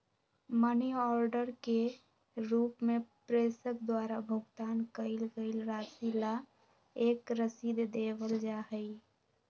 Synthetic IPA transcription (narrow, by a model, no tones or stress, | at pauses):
məniɔːɾɖəɾke | ɾuːpmepɾeːsəkd̪waːɾabʱʊɡt̪aːnkəɪlɡəɪlɾaːsila | eːkɾəsid̪d̪eːwəld͡ʒaːɦəi